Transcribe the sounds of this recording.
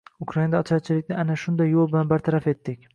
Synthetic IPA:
ʊkʰɾaind̪aːt͡ʃʰaɾt͡ʃʰɪlɪkʲnɪanaʃʊnd̪ajːolˠbɪlanbaɾt̪ʰaɾafe̞t̪ːɪkʲ

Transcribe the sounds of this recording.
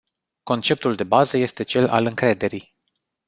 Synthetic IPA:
ko̞nt͡ʃe̞p̚t̪uld̪e̞bazəje̞st̪e̞t͡ʃe̞la̰lɨŋkɾe̞d̪e̞ɾij

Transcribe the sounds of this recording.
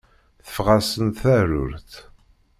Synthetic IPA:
θə̥fʁasənt̪θæɾʊ̰ɾθ

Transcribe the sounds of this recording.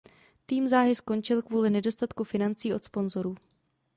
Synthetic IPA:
t̪iːmzaːɦɪsko̞nt͡ʃɪlkvuːlɪnɛdo̞st̪at̪kufɪnant͡siːo̞t̪spo̞nzo̞ɾuː

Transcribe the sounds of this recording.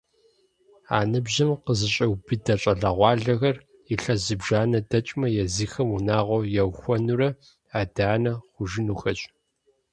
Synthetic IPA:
a̰ːnɨbʑɐmqəzɨɕʼɐwbɨdɐɕʼɐɮɐʁʷɑːɮɐɣɐr | iɬɐzɨbʒaːnɐdɐt͡ʃʼmɐjɛziːxɐmunaːʁʷɔjɛwxʷɔnurɐ | aːdaːnɐχʷʊʒɪnuːxɐt͡ʃʼ

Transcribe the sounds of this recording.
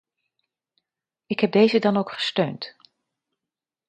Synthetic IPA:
ɪkɦɛb̚dejzədɑnowkχə̥støɥnt

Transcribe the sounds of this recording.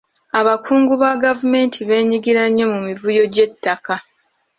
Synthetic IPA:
aβakʰuːŋɡuβaɡavume̞ːntʰiβe̞ːɲiɡiɾaɲːo̞mumivujo̞ɟe̞tːaka

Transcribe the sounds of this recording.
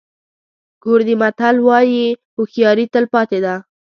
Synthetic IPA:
ɡ̥oɾd̪imat̪alwɑji | ʊxjɑɾit̪əlpɑt̪ed̪a

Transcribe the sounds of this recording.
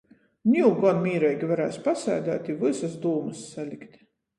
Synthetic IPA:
nʲiuɡɔnmʲiːɾɛjɡʲivaɾæːsʲpasæ̰ːd̪æ̰ːt̪ʲivɨsasd̪uːmɨsːalʲikʲt̪

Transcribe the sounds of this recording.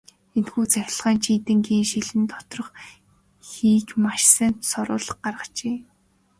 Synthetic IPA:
enxuːt͡sæxʲɪ̆ɮʁaːnt͡ɕʰiːt̪ɘ̆ŋɡiːnʃiɮɘ̆nt̪ɔ̥t̪rɞ̆χ | xiːkmaʃsə̆nsɔɾʊ̰ːɮə̆χɢarʁə̆t͡ɕeː

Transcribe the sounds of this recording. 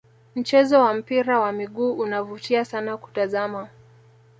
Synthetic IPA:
m̩t͡ʃɛzɔwam̩piɾawamiɠuːʔunavutiasanaku̥tazama

